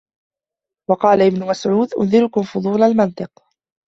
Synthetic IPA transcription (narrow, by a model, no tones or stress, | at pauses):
wɑqɑːlaʔɪbnʊmasʕuːd̪ʔʊ̰nðɪɾʊkʊmfʊd̪ˤuːlalmɪnt̪ˤɨq